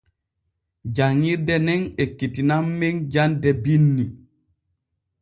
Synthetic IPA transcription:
d͡ʒaŋːiɾdɛnɛnekːitinamːend͡ʒandɛbinːi

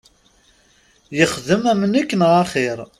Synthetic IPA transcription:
jəχðəmæmənækːənʁaχiɾˤ

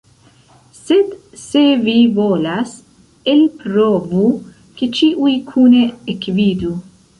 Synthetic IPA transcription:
sed̪ | sevivoːlas | elpɾoːvu | ket͡ʃiːʔujkʰuːneekviːd̪u

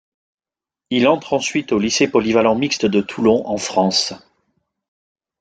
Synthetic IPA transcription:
ilɑ̃t̪χɑ̃sɥit̪olisepɔlivalɑ̃mikst̪d̪ət̪ʰulɔ̃ʔɑ̃fχɑ̃s

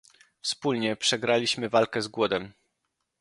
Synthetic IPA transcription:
fspulɲɛpʂɛɡɾalʲiɕmɘvalkɛzɡwɔd̪ɛm

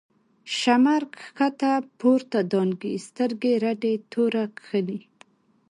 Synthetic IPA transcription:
ʃamaɾkxat̪apʰoɾt̪ad̪ɑnɡist̪əɾɡeɾaɖet̪ʰoɾakxəni

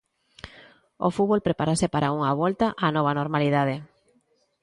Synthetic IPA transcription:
o̰fuβolpɾepaɾasepaɾʔauŋaβolt̪aʔanɔβ̞anoɾmaliðað̞e

